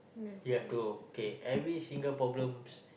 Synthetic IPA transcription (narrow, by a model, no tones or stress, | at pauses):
jɛt̪uokeʔɛvɾisĩŋɡəlpɾɔblə̃ms